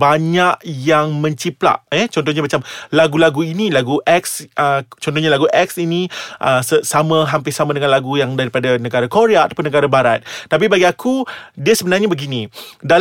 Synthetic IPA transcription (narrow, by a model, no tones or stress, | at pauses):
baɲaʔ̚jaŋmə̃ɲt͡ʃipla̰ʔjɛt͡ʃɔnt̪ɔhɲamat͡ʃamlaɡulaɡuinilaɡuʔɛksət͡ʃɔnt̪ɔhɲalaɡuʔɛk̚siniʔəsəsamãɦampɪsamãdəŋãnlaɡujaŋdaɾipadanə̃ɡaɾakoɾeaːt̪ḁpʊnəɡaɾabaɾat̪̚t̪ap̬ibaɡiakʰudiasəbənarɲabəɡinĩdal